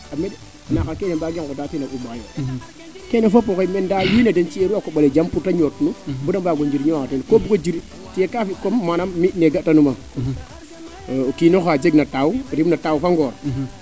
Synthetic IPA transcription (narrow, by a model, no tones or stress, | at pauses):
amed | nakakenebaɡeŋkodatinaumajo | kenafopːokemendajinadent͡ʃieɾuakoɓaled͡ʒampuɾtaɲotnubudambaɡoɲd͡ʒiɾɲokatenkobuɡod͡ʒiɾ | tijekafikomːanamːineɡatːanuma | kinoxaːd͡ʒeɡnatawuɾibnatawufaŋɡoːɾ